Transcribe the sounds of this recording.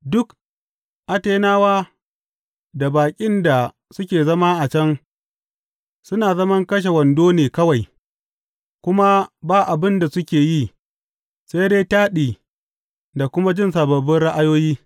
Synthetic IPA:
dʊ˦k | ʔa˨teː˦naː˦waː˦ | da˨baː˨kʲʼɪ˦nda˨ | sʊ˦kʲeː˨zɐ˦ma˦ʔa˨t͡ʃɐ˦ŋ | sʊ˦naː˨zɐ˦mɐ˦ŋkɐ˦ʃ̬e˨wɐ˨ndoː˦neː˨kɐ˦wa˨j | kʷʊ˦ma˦baː˦ʔa˨bɪ˦nda˨sʊ˦kʲeː˨ji˦ | sa˦jdeː˦taː˦ɗiː˨ | da˨kʷʊ˦ma˦d͡ʒɪ˦nsaː˨bɐ˨bɪ˦nɽa˦ʔa˦joː˦jiː˦

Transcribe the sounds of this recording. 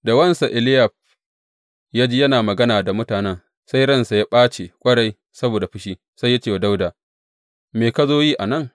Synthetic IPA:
da˨wɐ˦nsa˨ʔɪ˨lɪ˦jɐ˨ɸ̚ | jaː˦d͡ʒi˦jɐ˦naː˨mɐ˨ɡɐ˦naː˨da˨mʊ˦taː˨nɛ˦ŋ | sa˦jɽɐ˦nsa˨ja˦ɓaː˦t͡ʃe˨kʷʼɐ˦ɽa˦j | sɐ˦boː˨da˨ɸɪ˦ʃiː˦ | sa˦jːa˦t͡ʃeː˨wa˨da˦wdaː˨ | meː˨ka˦zoː˦jiː˦ʔa˨nɐ˦˨ŋ

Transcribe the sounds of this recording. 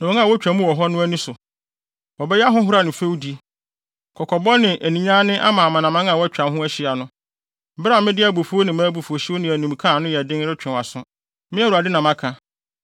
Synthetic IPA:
nã˨˦ã˦˨wɔ˦t͡ɕᶣã˨mũ˦wɔ˨ɦɔ˦nʊ̃˦æ˦nũ˦sʊ˨ | wɔ˨bɛ˦jɛ˦a˦ɦʊ̃˦ɦʊ˦ɾa˨nɪ̃˨fe˦wdi˦ | kʰɔ˨kʰɔ˨bɔ˦nɪ̃˨ʔæ˨nĩ˨ɲã˦nɪ̃˦ʔa̰˦mã˨mã˨nã˨mã˦ŋ˦ã˦˨wɔ˦t͡ɕᶣã˨m˦ɦʊ̃˦æ˦ɕɪ˦a˨nʊ̃˦ | bɾa˨mɪ̃˦dɪ˦æ˨bo˨fu˦o˦nɪ̃˨mã˦bu˨fo˨ɕi˦wo˦nɪ̃˨æ˨nĩ˨m˨kʰã˦˨nʊ̃˦jɛ˨dɪ̃˦n˦ɾɪ˦t͡ɕᶣɛ̃˨a˨sʊ̃˦ | mɪ̃˦˨u˨a˨dɪ˦nã˨mã˦kʰã˨

